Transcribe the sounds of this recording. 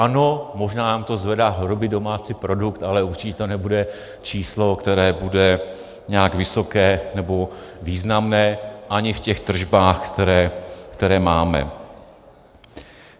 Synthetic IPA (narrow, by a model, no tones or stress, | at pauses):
ʔanomo̞ʒnaːnaːmt̪o̞zvɛdaːɦoɾobɪdo̞maːt͡siːpɾo̞dukt̪alɛuɾt͡ʃɪcɛt̪onɛbudɛ | t͡ʃiːslo̞kt̪ɛɾɛːbudɛ | ɲɛaɡvɪso̞kɛːnɛbo̞ | viːznamnɛːʔaɲɪfcɛxt̪r̩ʒbaːxkt̪ɛɾɛːkt̪ɛɾɛːmaːmɛ̰